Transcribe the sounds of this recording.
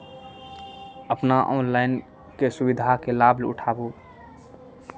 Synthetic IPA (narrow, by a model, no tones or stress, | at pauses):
əpnaʔɔ̰nlaɪn | kesubid̪ʱakelablṵʈʰabo